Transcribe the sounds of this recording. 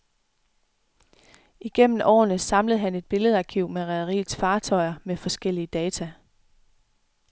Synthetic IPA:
iɡ̥en̰m̩ɒ̰ːnəsɑ̈mləð̞̩ˠɦæne̝d̥̚b̥e̝ləð̞̩ˠɑ̈kʰiʊmeʁɛðˠɐʁḭːð̩ˠsfɑ̈ːt͡sʰɒ̽ɪ̰ɐmefɒ̽sɡ̥el̰iəd̥ɛːt͡sʰæ

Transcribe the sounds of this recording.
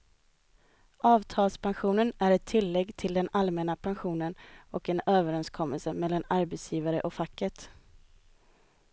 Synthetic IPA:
ɑːvt̪ʰɑːlspʰanɧuːnənæɾɛt̪ʰːɪlːɛɡːt̪ʰɪld̪ɛnalmɛnapʰanɧuːnənɔkɛnøːvəɾɛnskʰɔmːəlsəmɛlːanaɾbɛt̪sjiːvaɾəʔɔkfakːət̪

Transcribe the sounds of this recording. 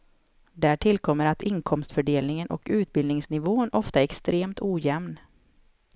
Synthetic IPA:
d̪æʈʰɪlkʰɔmːəɾat̪ʰɪŋkʰɔmst̪fœɖeːlnɪŋənʔɔ̰kʉ̟ːt̪̚bɪlnɪŋsnɪvoːnɔft̪aɛɾɛkst̪ɾeːmt̪uːjɛmn

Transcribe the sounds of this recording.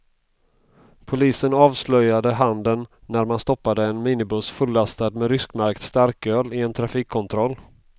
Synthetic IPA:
pʰʊliːsənɑːvslœjad̪əɦand̪ənː | æɾmanst̪ɔpːad̪əɛnmiːnɪbɵsfɵlːast̪ad̪mɛɾʏskmaɾkt̪st̪aɾkøːlɪɛnt̪ʰɾafiːkʰːɔnt̪ʰɾɔlː

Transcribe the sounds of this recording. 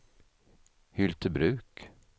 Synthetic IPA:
hʏlt̪ʰəbɾʉ̟ːk

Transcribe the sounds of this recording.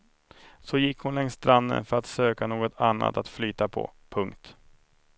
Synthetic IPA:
sɔjɪkːhʊnlɛŋst̪ɾand̪ə̰nfœɾat̪søːkanoːɡɔt̪ʰanːa̰t̪at̪flyːt̪apʰɔ̰pʰɵŋkt̪

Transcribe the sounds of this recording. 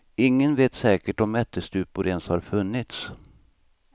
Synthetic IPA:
ɪŋːənveːt̪sɛːkəʈɔmɛt̪ʰːəst̪ʉ̟ːpʊɾenshaɾfɵnːɪt̪s

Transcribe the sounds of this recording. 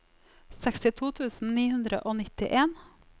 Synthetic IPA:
sɛkst̪ɪt̪ʰuːt̪ʰʉːsn̩niːhʉnd̪ɾə̰ʔoːnɪt̪ɪʔeːn

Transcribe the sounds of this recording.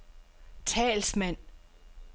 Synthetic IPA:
t͡sʰɛ̰ːlsmæn̰

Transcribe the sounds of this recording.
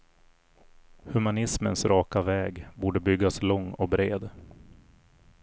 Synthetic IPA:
hɵmanɪsmənsɾʔɑːkavɛːɡbuːɖəbʏɡːaslɔŋːɔk̚bɾeːd̪

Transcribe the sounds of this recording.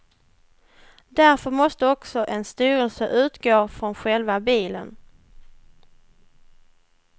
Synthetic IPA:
d̪æɾfœɾmɔst̪əɔksɔʔɛnst̪yːɾəlsəʔʉ̟ːt̪ɡoːfɾɔnɧɛlvabiːlə̰n

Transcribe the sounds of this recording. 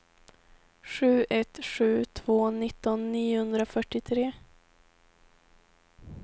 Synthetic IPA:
ɧʉ̟ːʔɛt̪ɧʉ̟ːt̪ʰv̥oːnɪt̪ːɔnːiːʊhɵnd̪ɾafœʈːɪt̪ʰɾeː

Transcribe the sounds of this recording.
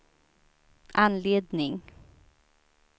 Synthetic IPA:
ʔanleːd̪nɪŋ

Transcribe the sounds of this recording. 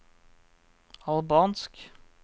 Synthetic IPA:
ɑlbɑːnsk

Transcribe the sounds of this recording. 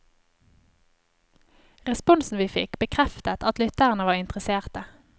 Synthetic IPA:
ʁɛspʊnsn̩ʋiːfɪ̰kbəkʰʁɛft̪ət̪ɑt̪lʏt̪əʁənəʋɑːʁɪnt̪ʁəseːʁt̪ə

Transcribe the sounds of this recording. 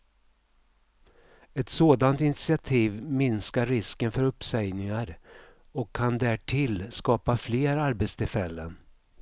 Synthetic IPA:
ɛt̪soːd̪ant̪ɪnɪt̪sɪat̪ʰiːvmɪnskaːɪskənfœɾɵpːsɛjnɪŋaɾ | ɔkʰːand̪æʈʰɪlskɑːpafleːɾaɾbɛt̪st̪ʰɪlfɛlːən

